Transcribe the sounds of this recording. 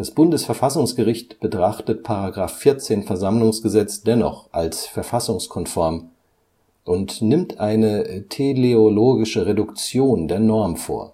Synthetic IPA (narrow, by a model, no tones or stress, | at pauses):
d̥asb̥ʊndəsfɛɐfasʊŋsɡ̥əʁɪçtb̥ətʁ̥aχtət̚pʰaʁaɡʁaːfːɪɐt͡seːnfɛɐzamlʊŋsɡ̥əzɛt͡sd̥ɛnɔ̰χʔalsfɛɐfasʊŋskʰɔnfɔɐm | ʔʊntnɪmtʔaɪnətʰeleoloːɡɪʃəʁedʊkt͡sjoːndeːɐnɔɐmfo̰ːɐ